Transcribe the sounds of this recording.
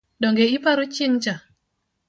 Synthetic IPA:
dɔŋɡeɪpaɾot͡ʃɪŋt͡ʃa

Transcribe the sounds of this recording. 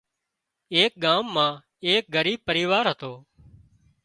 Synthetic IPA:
eːk̚ɠaːmːãː | eːk̚ɡʱəɾiːb̚pəɾiːʋaːɾɦət̪oː

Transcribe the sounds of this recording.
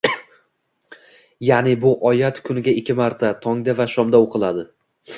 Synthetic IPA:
janɪbʊʔɒjat̪kʰʊnɪɡʲaɪkʲʰːɪmaɾt̪ʰat̪ʰɒŋd̪avaʃɒmd̪aoqʰɨlˠad̪ɪ

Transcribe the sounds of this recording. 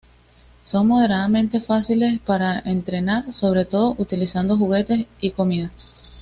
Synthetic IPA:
so̞ŋmo̞ð̞e̞ɾaðamẽ̞nt̪e̞fasile̞spaɾae̞nt̪ɾe̞naɾso̞β̞ɾe̞t̪o̞ðoʔut̪ilisand̪o̞xuɣe̞t̪e̞siko̞miða

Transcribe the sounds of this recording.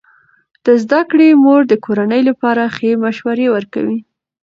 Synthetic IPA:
d̪̥əzd̪akɽemoɾd̪əkʰoɾanəjlapɑɾaxemaʃwaɾewəɾka̰wi

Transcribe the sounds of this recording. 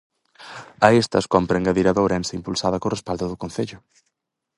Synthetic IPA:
ɐest̪ɐskɔmpɾeŋɡaðiɾaðowɾɛnseimpulsaðɐkorespald̪ʊðʊkon̟θeʎʊ

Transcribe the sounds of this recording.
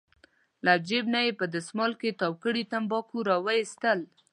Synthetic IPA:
lad͡ʒebnajepəd̪əsmɑlket̪ɑwkəɽit̪ambɑkuɾɑwajist̪əl

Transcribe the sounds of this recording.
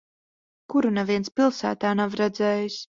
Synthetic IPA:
kuɾunɛviɛnspilˠsæ̰ːt̪aːnavɾɛd̪zɛːjis

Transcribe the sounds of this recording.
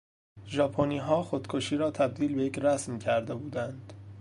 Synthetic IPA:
ʒɒːpʰoniːɦɒːxod̪̥kʰoʃiːɾɒːt̪ʰæb̚d̪iːlbe̞jecʰræsmcʰæɾd̪e̞buːd̪ænd̪̥

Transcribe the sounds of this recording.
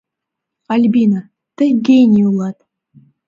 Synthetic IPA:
alʲbina | t̪ɘɡʲejnʲiulˠɑt̪

